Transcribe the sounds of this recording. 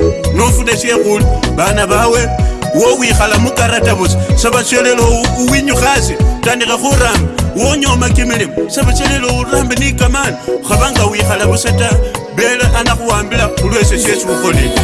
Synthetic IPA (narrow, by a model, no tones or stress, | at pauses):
nofuneʃjexuliβanaβawe̞ | wowixalamukaɾataβut͡sisaβat͡ʃelelokuwiɲuxasitaːndixaxuɾaːmbawoɲomakimilimosaβat͡ʃelelouɾaːmbinikamaniuxaβaŋɡawixalaβusataβe̞lexanaxuwaːmbilaulweseʃjesiuxo̞lile